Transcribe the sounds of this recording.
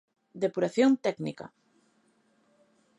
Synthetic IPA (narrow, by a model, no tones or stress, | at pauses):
d̪epuɾaθjont̪ɛknika̰